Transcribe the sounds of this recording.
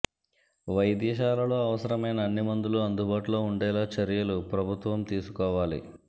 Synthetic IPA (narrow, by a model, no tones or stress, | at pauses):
ʋɐjd̪iːʃ̬aːlɐlo̞ːɐʋɐsɐɾɐmɐjnɐːnːimɐnd̪uluɐnd̪ubaːʈulo̞ːuɳɖɛːlaːt͡ʃɐɾijɐlupɾɐbʱut̪ʋɐmt̪iːsukɔːʋaːlḭ